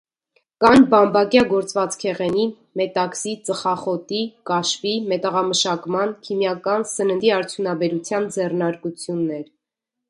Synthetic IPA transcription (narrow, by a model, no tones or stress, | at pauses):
kɑnbɑmbɑkjɑɡɔɾt͡svɑt͡skʰɛʁɛni | mɛt̪ɑksit͡səχɑχɔt̪ikɑʃfimɛt̪əʁɑməʃɑkmɑnkʰimjɑkɑnsənənd̪iɑɾt͡sʰjunɑbɛɾut͡sʰjɑnd͡zɛrnɑɾkut͡sʰjunːɛɾ